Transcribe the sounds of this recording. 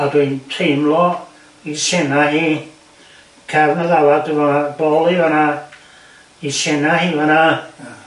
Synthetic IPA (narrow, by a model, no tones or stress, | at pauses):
adwintʰejmlɔ | isɛnaɦiː | kʰɛvnaðawadvanabɔlˠivana | isɛnahiːvana